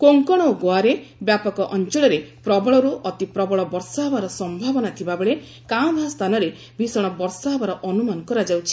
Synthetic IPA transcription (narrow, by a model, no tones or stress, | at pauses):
koŋkɔɽ̃ɔoɡoaɾebjapɔkɔʔɔnt͡ʃɔɭɔɾepɾɔbɔɭɔɾuʔɔt̪ipɾɔbɔɭɔbɔɾsaɦɔbaɾɔsɔmbʱabɔnat̪ʰibabeɭe | kabʱast̪ʰanɔɾe | bʱisɔɽ̃ɔbɔɾsaɦɔbaɾɔʔɔnumankɔɾad͡ʒawt͡ʃʰi̥